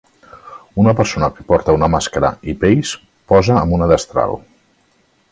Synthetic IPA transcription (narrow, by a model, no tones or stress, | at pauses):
unəpəɾsonəkəpɔɾt̪əunəmaskəɾə̰ipejs | pɔzəːmbunəðəst̪ɾa̰l